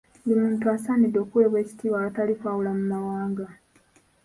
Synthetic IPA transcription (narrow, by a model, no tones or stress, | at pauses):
bimuːntuasanidːoːkuwe̞ːβwe̞ːci̥tiβaatalifawulamumawaːŋɡa